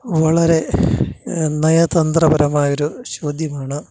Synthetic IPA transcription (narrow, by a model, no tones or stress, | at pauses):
ʋɐɭɐɾe̞ | nɐjɐt̪ɐnd̪rɐbɐɾɐmaːjoɾuɕo̞ːd̪ʱjɐmaːɳɨ